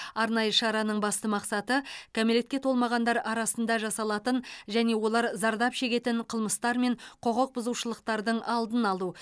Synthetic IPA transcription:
ɑɾnɑjəʃɑɾɑnəɴbɑst̪əmɑqsɑt̪əkʰomele̞t̪kʲe̞t̪ʰo̞lˠmɑʁɑnd̪ɑɾɑɾɑsənd̪ɑʒɑsɑlˠɑt̪ənʒæne̞wo̞lˠɑɾzɑɾd̪ɑpʃe̞kʲe̞t̪ɪɴqʰəlˠməst̪ɑɾme̞ɴqʰoqəq̚bʊzuwʃəlˠəq̚t̪ɑɾd̪əɴʔɑlˠd̪ənɑlˠu

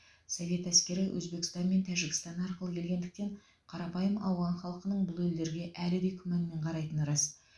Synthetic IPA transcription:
sovʲe̞t̪æskʲe̞ɾɪwʔɵ̰zbe̞kʲɪ̥st̪ɑnme̞nt̪ʰæʒɪkʲɪ̥st̪ɑnɑɾqəlˠəkʲʰe̞lɡʲe̞nd̪ɪk̚t̪e̞ɴ | qʰɑɾɑpɑjəmɑwʁɑnχɑlˠqənəɴbʊlˠeld̪e̞ɾɡʲe̞ʔælɪd̪e̞jkʲʰʏmænme̞ɴqʰɑɾɑjt̪ənɾɑs

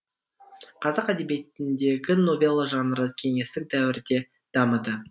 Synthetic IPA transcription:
qʰɑzɑqæd̪e̞be̞t̪ɪnd̪e̞ɡʲɪno̞vʲelˠəʒɑnəɾəkʲʰe̞ŋe̞st̪ɪk̚d̪æwɪɾd̪e̞ | d̪̥ɑməd̪ə

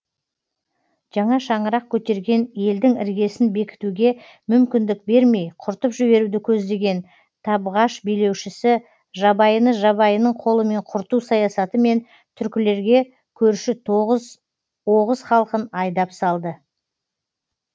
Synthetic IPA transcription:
ʒ̥ɑɴɑʃɑɴəɾɑq̚kʲʰɵt̪e̞ɾɡʲe̞nje̞ld̪ɪŋɪ̰ɾɡʲe̞sɪnbe̞kʲɪ̥t̪uɡʲe̞ | mʏmkʲɪnd̪ɪk̚be̞ɾme̞jqʰʊɾt̪əpʒɪβe̞ɾud̪ɪkʲʰɵzd̪e̞ɡʲe̞n | t̪ʰɑbʁɑʃbijle̞wʃɪsɪ | ʒɑbɑjənəʒɑβɑjənəɴqʰo̞lˠəme̞ɴqʰʊɾt̪usɑjɑsɑt̪əme̞n | t̪ʰʏɾkʲɪle̞ɾɡʲe̞ | kʲʰɵɾʃɪ | woʁəzχɑlˠqənɑjd̪ɑpsɑlˠd̪ə

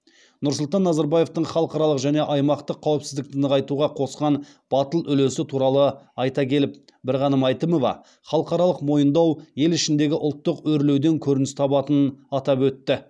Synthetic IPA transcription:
nʊɾsʊlˠt̪ɑnːɑzɑɾbɑje̞ft̪əɴχɑlˠəqɑɾɑlˠəqʒæne̞ʔɑjmɑqt̪əqʰːɑwɪpsɪzd̪ɪk̚t̪ɪnəʁɑjt̪uʁɑqʰo̞sqɑn | b̥ɑt̪əlˠʏle̞sɪt̪ʰuɾɑlˠəɑjt̪ɑkʲʰe̞lɪp̚ | bɪɾʁɑnəmɑjt̪əmo̞vɑ̰ | χɑlˠəqɑɾɑlˠəqmo̞jənd̪ɑwje̞lɪʃɪnd̪e̞ɡʲɪʔʊlˠt̪ːəqɵɾle̞wd̪e̞ŋkʲʰɵɾɪnɪst̪ʰɑbɑt̪ənɑt̪ɑpwɵt̪ːɪ

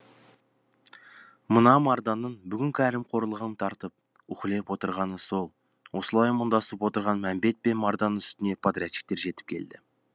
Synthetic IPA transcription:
mənɑmɑɾd̪ɑnənbʏɡʲɪŋʲkʲɪæɾɪmqʰo̞ɾlˠəʁənt̪ʰɑɾt̪əp̚ | ʊχlˠepwo̞t̪əɾʁɑnəso̞lˠ | wo̞səlˠɑjmənd̪ɑsəpwo̞t̪əɾʁɑnmæmbe̞t̪̚pe̞nmɑɾd̪ɑnʏst̪ɪne̞pʰot̪ɾʲijat̪i̥k̚t̪e̞ɾʒe̞t̪ɪ̥p̚kʲʰe̞̰ld̪ɪ

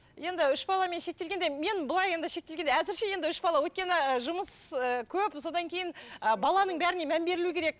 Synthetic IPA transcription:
je̞nd̪ɪʏʃbɑlˠɑme̞nʃe̞kt̪e̞lɡʲe̞nd̪eme̞nbəlˠɑje̞nd̪ɪʃe̞k̚t̪e̞lɡʲeeæzɪɾʃe̞je̞nd̪ɪʏʃbɑlˠɑwɵt̪̚kʲe̞nɪəʒʊməsəkʲʰɵpso̞d̪ɑŋkʲʰe̞jɪnəbɑlˠɑnəɴbæɾɪnemæmbe̞ɾɪlukʲʰe̞ɾe̞k̚

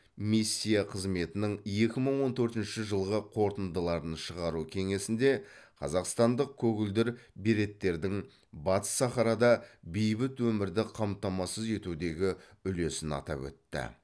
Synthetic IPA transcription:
misʲːijaqʰəzme̞t̪ɪnɪɴje̞kʲɪməɴwo̞nt̪ʰɵɾt̪ɪnʃɪʒəlˠʁəqʰo̞ɾt̪ənd̪əlˠɑɾənʃəʁɑɾukʲʰe̞ŋe̞sɪnd̪e̞qʰɑ̰zɑqst̪ɑnd̪əq̚kʲʰɵɡʲɪld̪ɪɾbiɾe̞t̪ːe̞ɾd̪ɪŋ | bɑt̪ə̥sːɑχɑɾɑd̪ɑbejbɪt̪wɵmɪɾd̪ɪqʰɑmt̪ɑmɑsəze̞t̪ud̪e̞ɡʲɪʏle̞sɪnɑ̰t̪ɑ̰pwɵ̰t̪ːɪ̰

